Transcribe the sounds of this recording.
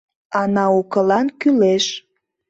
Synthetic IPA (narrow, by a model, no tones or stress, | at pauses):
ɑnɑukəlɑnkyleʃ